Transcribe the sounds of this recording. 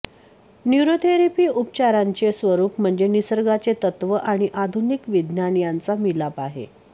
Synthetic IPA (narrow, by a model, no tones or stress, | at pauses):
njuɾot̪ʰeɾipiːup̚t͡ɕaɾaɲt͡sesʋəɾuːpm̤əɳd͡zenisəɾɡat͡set̪ət̪ʋəʔaɽ̃iʔad̪ʱunikʋid̪njanjant͡samilapaɦḛ